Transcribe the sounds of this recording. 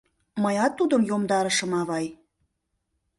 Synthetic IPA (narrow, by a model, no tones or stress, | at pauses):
məjɑt̪ːud̪ə̆mjomd̪ɑɾə̆ʃə̆mɑβɑj